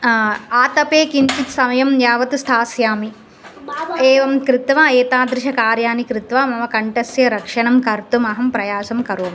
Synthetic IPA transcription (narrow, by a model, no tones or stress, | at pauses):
aːt̪ɐpeːkiɲt͡ʃit̪sɐmɐjɐmjaːʋɐt̪ust̪ʰaːsjaːmi | eːʋɐmkɾit̪ʋaːeːt̪aːd̪ɾɪʃɐkaːɾjaːnikɾit̪ʋaːmɐmɐkɐɳʈɐsjɐɾɐkʂɐɳɐmkɐɾt̪umɐɦɐmpɾɐjaːsɐmkɐɾʋɐm